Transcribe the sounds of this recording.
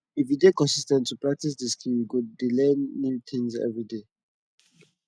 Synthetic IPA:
ifidekɔ̃nsistɛ̃ntːupɹak̚tis̬diskʰiɡuddilɛ̃nːjut̪ʰɪ̃ŋzɛ̰vɹide

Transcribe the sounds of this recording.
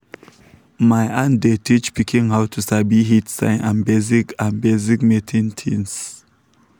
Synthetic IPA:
majãndetʰit͡ʃpikʰĩŋhawtʰusabiɦitsã̰ɪ̃nãnbezikãnbezikmetʰĩntʰĩns

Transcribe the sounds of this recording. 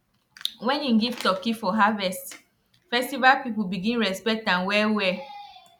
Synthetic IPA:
wɛ̃nĩnɡivtɔkifɔɦavɛst | fɛstivalpipulbiɡĩnɹɛspɛk̚tãnwɛwɛ

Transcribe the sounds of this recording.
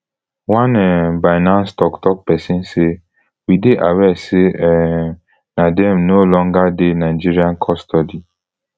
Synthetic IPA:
wãnɛbajnãnstɔktɔk̚pɛsĩnse | wideʔawɛseɛ | nadɛ̃mnolɔ̃ŋɡadenaɪd͡ʒiɹiãnkʰɔstʰɔdi

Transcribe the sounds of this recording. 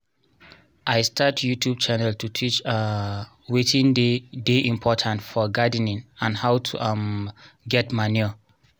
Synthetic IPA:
ʔajstʰatjutʰjub̚t͡ʃanɛltʰutʰit͡ʃa | wetʰĩndedeʔĩmpʰɔtʰãntfɔɡadnĩnãnhawtʰṵʔamɡɛtmani

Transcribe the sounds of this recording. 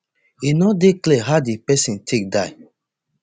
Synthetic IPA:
inɔdeklɛɦadipɛsĩntʰek̚daɪ

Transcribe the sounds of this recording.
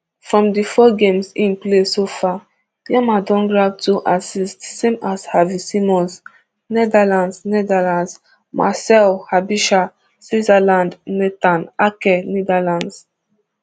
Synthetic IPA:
fɹɔ̃mdifɔɡẽmsĩnplesofa | diamadɔ̃nɡɹab̚tuʔasistsemashavisimɔ̃ns | nɛdalãndsnɛdalãns | mʔa̰sɛlhabiʃa | swizalãndnɛtãnakɛnidalãnds

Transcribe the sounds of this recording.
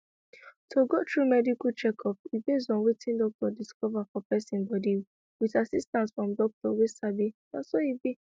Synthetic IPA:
tʰoɡotɹumɛdiklt͡ʃɛkʰɔpibes̬ɔ̃nwetʰĩndɔk̚tɔdiskɔvafɔpɛsĩnbɔdi | witasistãnsfɹɔ̃mdɔk̚tɔwesabidasoibe

